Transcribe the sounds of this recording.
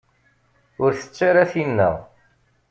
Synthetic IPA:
ʊɾθə̥t͡sːaɾaθinːæ̰

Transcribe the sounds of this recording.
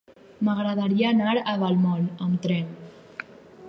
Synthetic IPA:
maɣɾaðaɾiaːnaɾaβalmɔləmt̪ɾɛn

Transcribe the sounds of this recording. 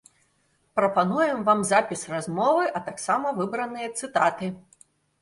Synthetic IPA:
pɾɐpanujɛmvamzapʲisrazmɔvɨʔɐt̪aksamɐvɨbɾɐnɨjɐt̪sɨt̪at̪ɨ

